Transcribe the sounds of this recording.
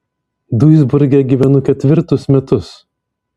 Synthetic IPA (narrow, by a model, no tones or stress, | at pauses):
d̪uɪzbʊɾʲɡʲɛɡʲiːʋʲɛnʊkʲɛt̪ʲʋʲɪɾt̪ʊsmʲɛt̪ʊs